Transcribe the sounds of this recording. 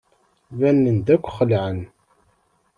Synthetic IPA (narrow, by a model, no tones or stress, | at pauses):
vænːənd̪ækʷːχəlʕən